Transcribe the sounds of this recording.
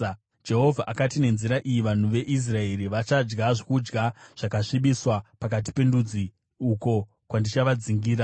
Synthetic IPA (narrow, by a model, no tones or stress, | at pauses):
d͡ʒe̞ɦo̞vʱaʔakatine̞nziɾaʔijiʋan̤uʋe̞ʔis̬rae̞ɾiʋat͡ʃad͡ʒɡaʐekud͡ʒɡaʐ̥akaʂiɓiswapakat̬i̥pe̞ndud͡zi | uko̞ | kwandit͡ʃaʋad͡ziŋɡiːɾa